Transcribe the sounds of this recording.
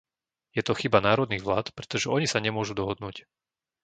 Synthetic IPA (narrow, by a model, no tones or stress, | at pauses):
jɛt̪ɔxibanaːɾɔd̪niːɣʋlaːt̪pɾɛt̪ɔʒɛɔɲisaɲɛmʊɔʒud̪ɔɦɔd̪nuːc